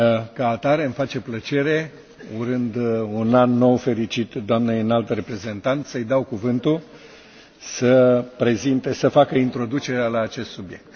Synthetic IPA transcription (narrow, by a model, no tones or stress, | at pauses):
kaːt̪aɾe̞ɨmfat͡ʃe̞plət͡ʃe̞ɾe̞ | uɾɨnd̪unanːo̞wfe̞ɾit͡ʃit̪d̪oamneɨnalt̪re̞pɾe̞ze̞nt̪ant̪səjd̪awkuvɨnt̪u | səpɾe̞zint̪esəfakəint̪ɾo̞d̪ut͡ʃe̞ɾealaːt͡ʃe̞st̪subje̞k̚t̪